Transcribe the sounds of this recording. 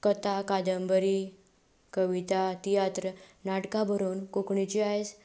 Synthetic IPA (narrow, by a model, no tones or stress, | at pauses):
kət̪akad̪əmbəɾi | kəʋit̪at̪ijat̪ɾənaʈkabʱəɾuːnkokɳit͡ɕiaɦes